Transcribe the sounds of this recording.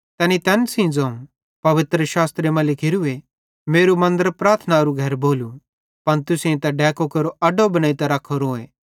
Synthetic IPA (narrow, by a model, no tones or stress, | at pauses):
t̪ɛːnit̪ɛːnsĩd͡zɐ̃ːũ | pɐʋɪt̪ɾəʃaːst̪ɾemɐ̃lɪkʰɪɾue | meːɾumɐ̃nd̪əɾpɾaːɾt̪ʰnaɾuɡʱɐɾboːlu | pɐnt̪ʊsẽt̪ɐɖɛːkokɐɾoʔɐɖobɐnaːit̪ɐɾɐkʰoɾoːe